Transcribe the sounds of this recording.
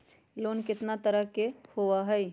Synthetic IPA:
loːnkɪt̪nat̪əɾəɦkehoaɦɛj

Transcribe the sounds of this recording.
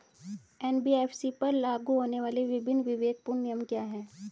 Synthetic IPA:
ɛːnbiefʰsipɐɾlaːɡuɦoːneʋaːleʋɪbʱɪnːʋɪʋeːɡ̚pʊɾnijəmkjaːɦɛː

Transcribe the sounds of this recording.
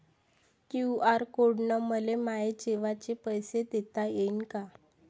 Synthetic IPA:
kjuaɾkoɽɳəməlemaed͡ʑeʋat͡ɕepəjsed̪et̪ajeinka

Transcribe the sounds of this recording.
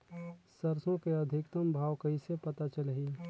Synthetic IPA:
səɾsõkeəd̪ʱɪkt̪əmbʱaːwkəisepət̪at͡ʃəlɦi

